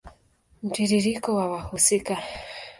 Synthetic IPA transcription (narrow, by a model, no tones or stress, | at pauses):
m̩tiɾiɾikɔwawahusika